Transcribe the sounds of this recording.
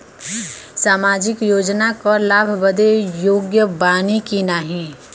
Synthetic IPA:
saːmaːd͡ʒɪkjoːd͡ʒnakɔlaːbʱbəd̪ejoːɡjəbaːnikinaɦĩ

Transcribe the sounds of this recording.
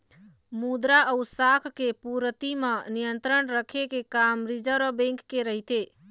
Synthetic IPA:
mud̪ɾaʔəʊsakʰkepuɾət̪imə̃nijənt̪ɾəɳɾəkʰekekamɾid͡ʒəɾobẽŋkːeɾəɦit̪e

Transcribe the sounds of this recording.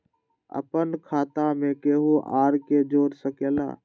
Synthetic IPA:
ə̰pənkʰaːt̪ãmẽkeːɦuːʔaːɾked͡ʒoːɾsəkeːla̰ː

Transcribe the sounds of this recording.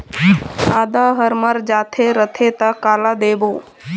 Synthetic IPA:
aːd̪aːɦəɾməɾd͡ʒaːt̪ʰeɾət̪ʰet̪akaːlad̪eːboː

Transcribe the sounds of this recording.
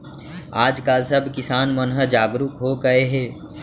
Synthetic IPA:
aːd͡ʒkaːlsəbʱkɪsaːnmənɦəd͡ʒaːɡɾukɦoɡəeɦɛː

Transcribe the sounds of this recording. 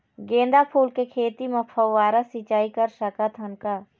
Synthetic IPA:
ɡẽːnd̪apʰuːlkekʰeːt̪imẽpʰɐwʋaːɾasit͡ʃaːikɐɾʃɐkat̪ʰɐnkaː

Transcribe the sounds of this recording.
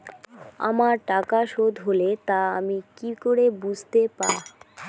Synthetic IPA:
a̰maɾʈakaʃod̪ʱɦolet̪aamikikoɾebud͡ʑʱt̪epa

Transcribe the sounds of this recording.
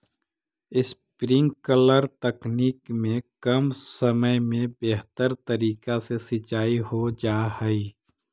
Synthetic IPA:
ɪspɾɪ̃ŋɡkələɾt̪əkniːkmẽkəmsəməjmẽbeɦt̪əɾt̪ɐɾiːkasesɪt͡ʃaːiɦod͡ʒaːɦɛi

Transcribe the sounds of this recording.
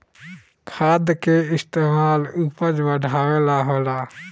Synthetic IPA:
kʰaːd̪keɪst̪eːmaːlupəd͡ʒbəɖʱaːʋeːlaɦoːlaː

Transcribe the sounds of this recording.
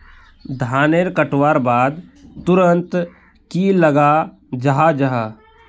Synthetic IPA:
d̪ʱaːneɾkəʈwaːɾbaːd̪t̪ʊɾənt̪ | kilɐɡa | d͡ʒɐɦad͡ʒɐɦaː

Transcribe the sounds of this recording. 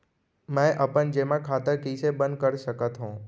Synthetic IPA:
mɛ̃ʔəpənd͡ʑeːmãkʰaːt̪əɾkiːsebə̃nd̪̚kəɾsəkət̪ɦũː

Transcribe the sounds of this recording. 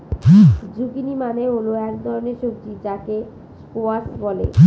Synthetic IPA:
d͡ʑukinimaneoloɛkd̪ʱɔɾoneɾʃok̚t̪id͡ʑake | skoasbɔlḛ

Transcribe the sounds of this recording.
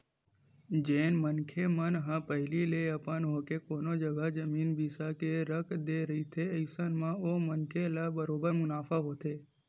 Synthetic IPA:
d͡ʒẽːnmənkʰemənɦãpəɦɪlileəpənɦokekoːnod͡ʒəɡad͡ʒəmiːnbisakeɾəkʰd̪eɾəɦit̪ʰeəɪsənmãomənkʰelabəɾoːbəɾmʊnaːfʰaɦoːt̪ʰeː

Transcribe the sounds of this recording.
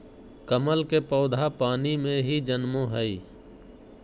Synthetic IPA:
kəməlkepəʊd̪ʱapaːnimẽɦid͡ʒənmõɦəi

